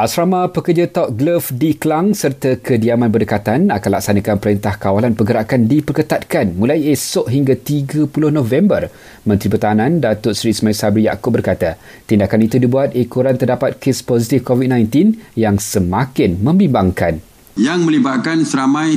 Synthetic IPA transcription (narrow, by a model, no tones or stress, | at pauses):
ʔasɾamãpəkərd͡ʒat̪ɔp̚ɡləfdiklaŋsərt̪akʰədiamãnbərdəkat̪anakanlaksanãkanpəɾint̪ahkawalanpəɡəɾaʔkandipərkət̪at̪̚kanmũlajesʊʔɦiŋɡat̪iɡapulʊhnɔ̃vɛmbər | mə̃nt̪ɾipərt̪aɦanãndat̪ʊtsɾismajsabɾija̰kʊp̚bərkat̪a | t̪indakanit̪udibuat̪̚ekoɾant̪ərdapat̪̚kɪspɔsit̪ifkɔvit̚nãjnt̪injaŋsəmakɪnmə̃mbimbaŋkan | jaŋmə̃libaʔkansəɾamãj